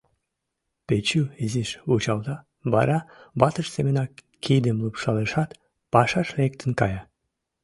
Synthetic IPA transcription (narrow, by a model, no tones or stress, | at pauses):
pet͡ɕyeziʃut͡ɕɑlˠd̪ɑ | bɑ̰ɾɑbɑt̪əʃsemenɑ | kʲʰejd̪emlˠupʃɑlˠeʃɑt̪ | pɑʃɑʃlek̚t̪ɘnkɑjɑ